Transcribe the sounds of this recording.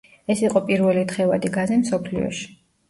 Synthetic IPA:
ɛsiqʼɔpʼiɾvɛlit̪ʰχɛvad̪iɡazɛmsɔpʰlḭɔ̰ʃi̥

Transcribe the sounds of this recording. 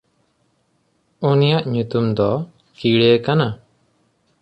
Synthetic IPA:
unijaʔɲut̪umd̪ɔ | kiɽekana

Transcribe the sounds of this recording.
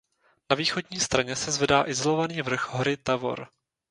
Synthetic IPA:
naviːxo̞dɲiːst̪ɾaɲɛsɛzvɛdaːʔɪzolo̞vaniːvr̩xɦoɾɪt̪avo̞̰ɾ

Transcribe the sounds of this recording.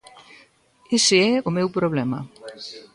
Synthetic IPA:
eseɛʊmewpɾoβlɛmɐ̰

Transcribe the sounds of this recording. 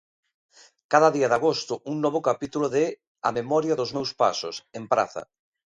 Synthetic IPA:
kaðɐðiaðaɣost̪ʊuŋnɔβʊkapit̪uloðe | a̰memɔɾjɐðʊzmewspa̰sʊ̰sempɾa̰θɐ̰

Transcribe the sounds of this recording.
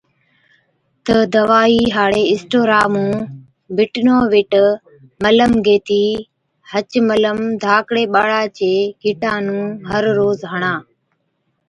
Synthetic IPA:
t̪əd̪əʋaːiːɦaːɽeːɪsʈoːɾaːmũː | bɪʈnoːʋɪʈ | mələmɡeːt̪iː | hət͡ʃmələmd̪ʱaːkɽeːɓaːɽaːt͡ʃeːɡʱɪʈãːnũːɦəɾɾoːzɦəɳaː

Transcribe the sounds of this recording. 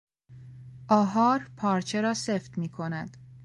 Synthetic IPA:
ʔɒːɦɒːɾpʰɒːɾt͡ʃʰe̞ɾɒːseft̪miːkʰo̞næd̪̥

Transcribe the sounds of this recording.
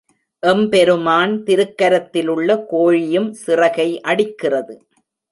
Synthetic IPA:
ʔɛmpɛɾɯmaːnt̪ɪɾɯkːɐɾɐt̪ːɪlɯɭːɐkoːɻɪjɯmsɪrɐɣɐɪʔɐɽɪkːɪrɐðɯ

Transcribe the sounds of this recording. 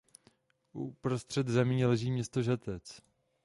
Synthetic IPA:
ʔupɾost̪r̝̥ɛd̪zɛmɲiːlɛʒiːmɲɛst̪oʒat̪ɛt͡s

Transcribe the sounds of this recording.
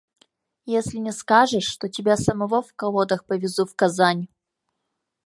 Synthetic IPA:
jesʲlʲɪnʲɪskaʐɨʂːt̪otʲɪbʲasɐmɐvofkɐlˠod̪əxpəvʲɪzufkɐzanʲ

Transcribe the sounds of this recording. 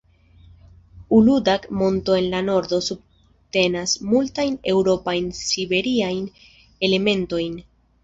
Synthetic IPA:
uludakmo̞nto̞e̞nlano̞ɾd̪o̞sub̚ | te̞nasmultajne̞wɾo̞pajnsibe̞ɾiajn | e̞le̞me̞nto̞jn

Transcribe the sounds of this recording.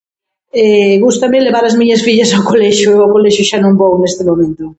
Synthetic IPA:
ɛɣust̪ɐmɪleβ̞aɾɐzmiɲɐsfiʎɐsawkolɛʃʊeawkolɛʃʊʃanõŋbownest̪ɪmomẽnt̪ʊ

